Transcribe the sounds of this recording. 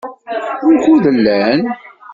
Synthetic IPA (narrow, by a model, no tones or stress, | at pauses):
ʊçuðəlːæn